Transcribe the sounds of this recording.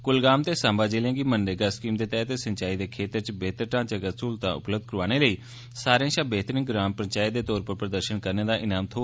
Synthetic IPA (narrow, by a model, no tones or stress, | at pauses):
kʊlɡaːmt̪eːsãːmbaːd͡ʒeːlãːɡiːmənɖeɡaːskiːmd̪eːt̪ɛːt̪eːsəɲt͡ʃaːiːd̪eːkʰeːt̪əɾt͡ʃbeːt̪əɾʈãːt͡ʃəkəsuːlt̪ã̰ːʊ̰pləb̚d̪̚kəɾʋaːñeːləiː | saːɾjãːʃãːbeːt̪ɾɪ̃ŋkɡɾaːmpəɲt͡ʃaːid̪eːt̪ɔːɾpəɾpɾəd̪əɾʃənkəɾneːd̪aːʔɪnaːmt̪ʰoː